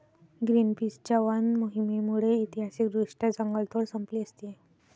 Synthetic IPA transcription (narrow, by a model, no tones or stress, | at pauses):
ɡɾinpisd͡ʑaʋanmoɦimimuɭeit̪iɦasik̚d̪ɾuʂʈad͡zəŋɡəɭt̪ʰoɽsəmpliəst̪ie